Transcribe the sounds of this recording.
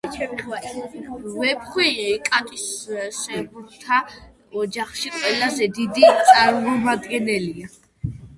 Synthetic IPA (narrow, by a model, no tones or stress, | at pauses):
ɛt̪χva | vɛbχwikʼat̪ʼissɛbuɾt̪ʰa | ɔd͡ʒaχʃiqʼwɛlazɛd̪id̪it̪sʼaɾmɔmad̪ɡɛnɛlia